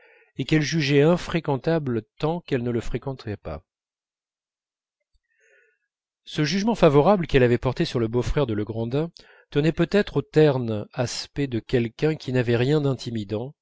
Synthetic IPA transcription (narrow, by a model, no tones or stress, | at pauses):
ekɛlʒyʒɛɛ̃fχekɑ̃t̪ablt̪ɑ̃kɛlnələfχekɑ̃t̪ʁɛpa̰ | səʒyʒmɑ̃favɔʁablkɛlavɛpɔʁt̪esyʁləbofχɛʁd̪ələɡʁɑ̃d̪ɛ̃ | t̪ənɛpøt̪ɛt̪χot̪ɛʁnaspɛd̪əkʲɛlkʲɛ̃kʲinavɛʁjɛ̃d̪ɛ̃t̪ʰimid̪ɑ̃